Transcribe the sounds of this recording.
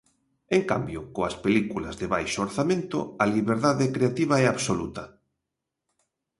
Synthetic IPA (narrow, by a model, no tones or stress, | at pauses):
eŋka̰mbjokoaspelikulazðeβajʃooɾθamẽnt̪ʊ̰aliβ̞eɾðaðekɾeat̪iβ̞aɛaβsolut̪ɐ